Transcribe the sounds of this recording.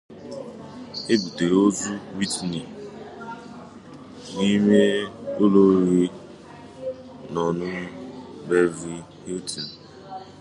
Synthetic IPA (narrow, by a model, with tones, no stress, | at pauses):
e˦bu˨te˨ɾo˦zu˦wi˦tni˨ | ni˦me˦o˦lo˦ɾi˦ | nɔ˨nʊ˦be˦vi˦hi˦ltʰi˨n̩˨